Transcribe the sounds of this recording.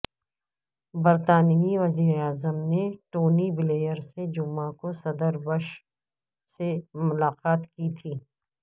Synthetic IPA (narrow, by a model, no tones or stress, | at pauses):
bɐɾt̪aːnijiʋɐziːɾeaːzəmneʈoːnibɪleːjəɾsed͡ʒʊmãkosɐd̪əɾbəʃ | semʊlaːqaːt̪kit̪ʰiː